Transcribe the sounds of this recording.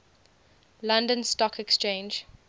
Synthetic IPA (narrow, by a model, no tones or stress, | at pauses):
lãndə̃nstɔkʰɛkst͡ʃẽɪ̃nd͡ʒ